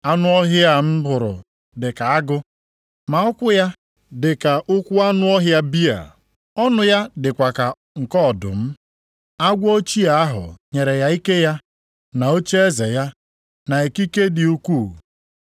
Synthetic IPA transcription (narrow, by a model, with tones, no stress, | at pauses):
a˦nʊ˦ɔ˦ɦja˦m̩˦bʊ˨ɾʊ̰˨ | dɪ˨ka˨a˦ɡʊ˦ | ma˨ɔ˦kʷʊ˦ja˦ | dɪ˨ka˨ʔʊ˦kʷʊ˦a˦nʊ˦ɔ˦ɦja˦bi˦a̰˨ | ɔ˦nʊ˨ja˦dɪ˨kʷa˨ka˨ | ŋ̩˨kɔ˦˨dʊ̰˨m̩˦ | a˦ɡʷo˦t͡ʃi˦a˨a˦ɦʊ̰˨ɲe˨ɾe˨ja˦i˦ke˦ja˦ | na˨o˦t͡ʃe˦e˦ze˨ja˦ | na˨e˨ki˦ke˦dɪ˨u˦kʷu˦˨